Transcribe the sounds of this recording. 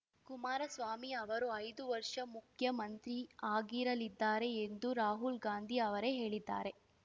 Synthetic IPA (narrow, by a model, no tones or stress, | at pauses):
kumaːɾɐsʋaːmiɐʋɐɾuɐjd̪uʋɐɾʂɐmukʰjɐmɐnt̪ɾiaːɡiɾɐlid̪ːaːɾe̞ːnd̪uɾaːɦulɡaːnd̪ʱiɐʋɐɾe̞ɦe̞ːɭid̪ːa̰ːɾe̞